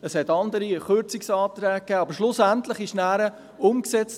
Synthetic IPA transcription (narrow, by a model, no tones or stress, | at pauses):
əshɛtɑnd̪əɾiχøɾt͡sɪksɑːt̪ɾɛːkːɛːɑbəɾʃlʊsæntləχɪʃnæːɾə | ʊmksɛt͡st